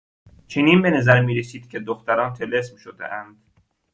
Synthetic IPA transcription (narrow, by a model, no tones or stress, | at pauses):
t͡ʃʰeniːnbenæzæɾmiːɾesiːd̪̥cʲʰed̪oxt̪æɾɒːnt̪ʰelesmʃod̪ḛʔænd̪̥